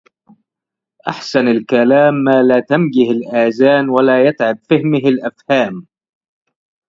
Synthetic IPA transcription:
ʔaħsanalkalaːmːaːlaːt̪amɡɪhalʔaːzaːnwalaːjat̪ʕab̚fɪhmɪhalʔafhaːm

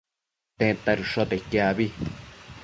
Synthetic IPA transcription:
t̪ẽt̪aɾuʂot̪ekjaβi

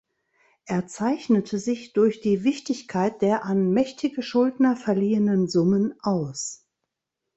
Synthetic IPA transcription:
ʔeːɐt͡saɪçnətʰəzɪçd̥ʊɐçd̥iːvɪçtɪçkʰaɪt̚d̥eːɐʔanmɛçtʰɪɡəʃʊldnɐfɛɐliːənənzʊmənʔaʊs

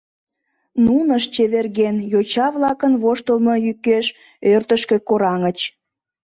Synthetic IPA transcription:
nunəʃt͡ɕeβerɣenjot͡ɕɑβlɑkənβoʃt̪əlmojykːeʃ | ørt̪əʃkĕkoɾɑŋət͡ɕ

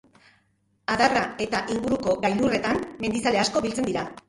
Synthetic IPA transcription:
aðarae̞t̪aʔiŋɡuɾuko̞ɡajlure̞t̪amme̞nd̪isale̞asko̞βilt͡se̞nd̪iɾa

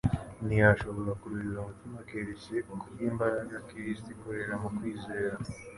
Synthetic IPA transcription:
nijaʃoβolakuɾuɾiɾomutumakeɾiceokuɾiːmbajakiɾistikuɾeɾamukwiːze̞ːɾa

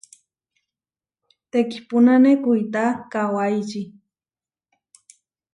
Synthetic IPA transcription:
t̪eki̥pʊnanekʊjt̪akawajt͡ʃi

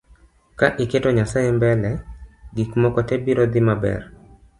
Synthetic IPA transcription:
kaʔɪketɔɲasaembɛlɛɡikmɔkɔtɛbiɾɔd̪ɪmabɛ̰r

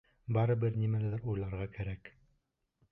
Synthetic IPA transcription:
bɑɾɤbɘɾnimælɘðɘɾujlˠɑɾʁɑkæɾæk

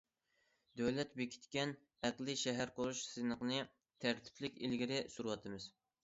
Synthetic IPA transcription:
d̪øwlɛt̪bekʲʰi̥t̪kʲɛn | æqlˠɨʃɛɦæɾqʰoɾuʃsɨnəqnɨ | t̪ʰæɾt̪ʰɪ̥pʰlɪkʲilɡʲiɾɪsuɾwɑt̪ʰɨmɨz̥

